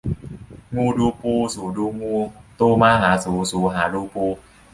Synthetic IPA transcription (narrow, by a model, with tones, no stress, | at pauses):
ŋuː˧˩duː˧puː˧suː˨˩˦duː˧ŋuː˧t̪uː˧maː˧ɦaː˩˦suː˨˩˦suː˨˦ɦaː˩˦luː˧puː˧